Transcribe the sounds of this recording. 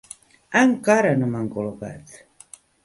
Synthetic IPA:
aŋkaɾanumaŋkoloka̰t̪

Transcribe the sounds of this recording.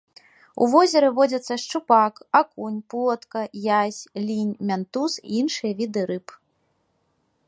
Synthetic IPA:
ṵvɔzʲɛɾɨvɔd͡zʲɐt̪sːɐʂt͡ʂupakakunʲplˠɔt̪kɐjasʲlʲinʲmʲant̪usḭinʂɨjɐvʲid̪ɨɾɨp

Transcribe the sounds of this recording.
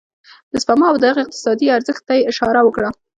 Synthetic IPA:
d̪̥əspamɑawd̪ədaɣeɪq̚t̪ɪ̥sɑd̪iaɾzəxt̪ːajeɪʃɑɾawəkɽa

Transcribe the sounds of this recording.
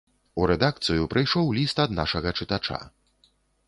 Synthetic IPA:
uɾɛd̪akt̪sɨjupɾʔɨjʂɔwlʲist̪ɐd̪na̰ʂɐɣɐt͡ʂɨt̪at͡ʂa̰

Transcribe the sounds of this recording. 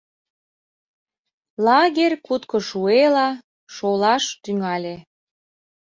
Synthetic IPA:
lɑɣerʲkut̪kɤ̆ʃuelɑ | ʃolɑʃt̪yŋɑlʲe

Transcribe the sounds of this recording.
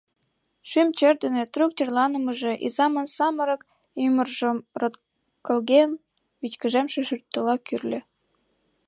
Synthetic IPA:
ʃymt͡ɕerd̪ə̆net̪rukt̪ʲerlɑnə̆mə̆ʒe̽ʔḭzɑmə̆nsɑməɾɤ̆k | ymərʒə̆mrɤ̆t̪ | kɤ̆lɣen | βit͡ɕkə̆ʒemʃĕʃyrt̪ːə̆lɑkyrlʲĕ

